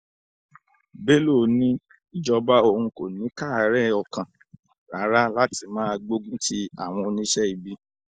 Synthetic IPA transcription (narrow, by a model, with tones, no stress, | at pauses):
be˦lo˦˨nĩ˦ | i˨d͡ʒɔ˧ba˦o˧hũ˧ko˨nĩ˨˦ka˦˨˦ɾɛ˦˨ɔ˧kã˨ | ɾa˨˦ɾa˦la˦ti˧mãː˦a˧ɡ͡bo˦ɡũ˦tʰi˦a˦˨w̃ɔ̃˧o˧nĩ˦ʃɛ˦i˨bi˦